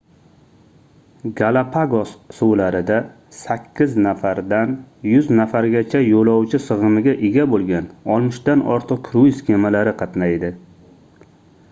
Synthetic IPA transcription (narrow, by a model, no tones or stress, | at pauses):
ɡalˠapʰaɡossuwlaɾɪd̪a | sakʲʰːɪznafaɾd̪anjʊznafaɾɡʲat͡ʃʰajolˠɒwt͡ʃʰɪsɨʁɨmɪɡʲaʔɪɡʲabolɡʲanɒlˠmɪʃd̪anɒ̰ɾt̪ʰɨq̚kʰɾujskʲʰemalaɾɪqʰɑt̪najd̪ɪ